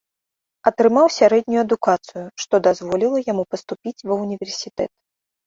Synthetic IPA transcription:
ɐt̪ɾɨmawsʲaɾɛd̪ʲnʲujuɐd̪ukat̪sɨjuʂt̪ɔd̪azvɔlʲilˠɐjamupɐst̪upʲit͡sʲvɐwnʲivʲɛrsʲit̪ɛ̰t̪̚

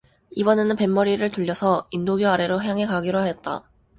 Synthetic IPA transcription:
ibʌne̞nɯnpe̞mːʌɾiɾɯɭtuʎːʌsʰʌindoɡjoaɾe̞ɾoɦjaŋe̞kaɡiɾoɦaɦet̚t͈a̰

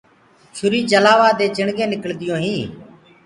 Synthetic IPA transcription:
t͡ʃʰʊɾiːt͡ʃəlaːʋaːd̪eːt͡ʃɪɳɡẽːnɪkəɭd̪ɪjõːɦĩː

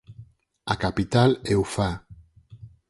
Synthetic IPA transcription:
akapit̪alewfa

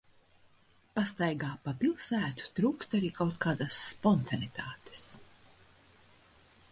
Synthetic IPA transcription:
past̪ajɡaːpapilˠsæːt̪u̥t̪ɾuːkst̪aɾiːkawt̪̚kaːd̪asːpɔnt̪ʰanit̪ʰaːt̪e̥s

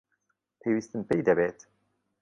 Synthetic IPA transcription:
pʰeːwiːst̪ɨnpejd̪ɛbeːt̪

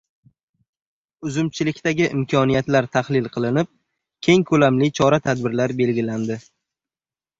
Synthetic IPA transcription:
ʊzʊmt͡ʃʰɪlɪkʲt̪aɡʲɪʔɪmkʰɒnijat̪laɾt̪ʰahlɪlˠqʰɨlˠɪnɪp̚ | kʲʰe̞ŋkʰɵlamlɪt͡ʃʰɒɾat̪ʰad̪bɪɾlaɾbe̞lɡʲɪland̪ɪ

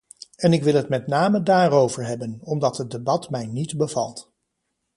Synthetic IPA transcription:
ɛnɪkʋɪlˠɦətmɛtnaːmədaːrowvəɹɦɛbənɔmdɑtɦəd̚ebɑtmɛjnitbəvɑ̰lˠt

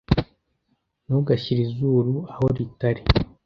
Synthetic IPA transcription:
nuɡaɕiɾizuːɾuaho̞ɾitaɾi

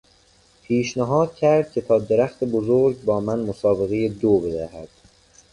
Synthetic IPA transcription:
pʰiːʃnæɦɒːd̪̥̚cʰæɾd̪̥̚cʲʰe̞t̪ʰɒːd̪eɾæxt̪ʰebozoɾɟbɒːmænmosɒːbe̞ɣe̞jed̪obe̞d̪æhæ̰d̪̥

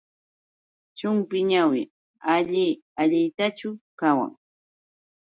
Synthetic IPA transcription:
t͡ʃʊmpɪɲawɪ̰ | aʎɪaʎɪt̪at͡ʃʊkawa̰ŋ

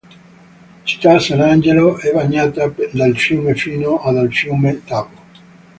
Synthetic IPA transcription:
t͡ʃi̥t̪ːasanand͡ʒeloɛbaɲːaːt̪ad̪alfjuːmefiːnoad̪alfjumet̪aːvo

